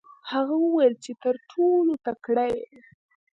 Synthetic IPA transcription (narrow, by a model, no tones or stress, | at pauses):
haɣawəwajəlt͡ʃet̪əɾʈʰolot̪akɽaj